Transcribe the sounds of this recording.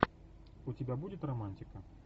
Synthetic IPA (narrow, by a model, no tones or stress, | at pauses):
ʊtʲɪbʲabudʲɪt̪rɐmanʲtʲɪkə